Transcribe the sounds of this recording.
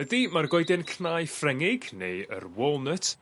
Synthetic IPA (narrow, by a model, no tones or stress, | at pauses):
ədimarɡɔjdɛnkʰnajfrɛŋɪɡnejə̰rwɔlˠnətʰ